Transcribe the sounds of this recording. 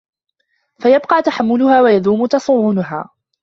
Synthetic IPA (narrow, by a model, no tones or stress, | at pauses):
fajɑbqɑʕt̪aħamːʊlʊhaːwajaðuːmʊt̪ɑsˤʊːʕʊnʊɦa̰ː